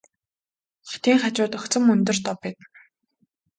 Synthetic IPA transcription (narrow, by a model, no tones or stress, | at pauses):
χɔ̥t̪ʰiːŋχat͡ɕʊːt̪ɵxt͡sə̆mɵnt̪ɵ̆rt̪ɔpːæːt̪